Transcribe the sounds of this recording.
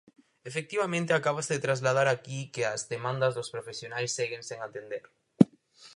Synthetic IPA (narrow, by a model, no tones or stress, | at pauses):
efek̚t̪iβamẽnt̪eakaβasðet̪ɾazlað̞aɾakikeazðemãnd̪azðospɾofesjonajsːeɣeŋseŋat̪end̪eɾ